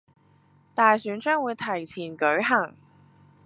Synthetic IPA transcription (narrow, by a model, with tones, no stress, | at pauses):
t̪aː˨˧jsyː˨˥nt͡ʃœː˥ŋwuː˨˧jt̪ʰɐ˨˩jt͡sʰiː˨˩nkɵ˨˥ɥɦɐ˨˩ŋ